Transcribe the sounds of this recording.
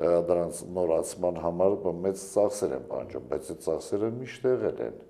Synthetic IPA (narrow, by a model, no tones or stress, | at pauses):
d̪əɾɑnt͡sʰnɔɾɑt͡sʰmɑnɦɑmɑɾmɛt͡st͡sɑχsɛɾɛ̰npɑ̰nd͡ʒumbɑjt͡sʰɛt͡sɑχsɛɾəmiʃt̪ɛʁɛlɛ̰n